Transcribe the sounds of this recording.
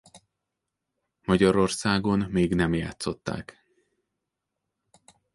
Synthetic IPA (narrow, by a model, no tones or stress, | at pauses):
mɒɟɒɾo̞rsaːɡo̞nmeːɡnɛmja̰ːt̪so̞t̪ːa̰ːk